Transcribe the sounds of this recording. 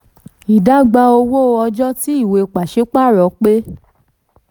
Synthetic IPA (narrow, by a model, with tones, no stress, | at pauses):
i˨da˨˦ɡ͡ba˧˦o˧wo˦˧ɔ˧d͡ʒɔ˦ti˦i˦˨we˧k͡pa˨ʃe˨˦k͡pa˦˨ɾɔ˨˦k͡pe˦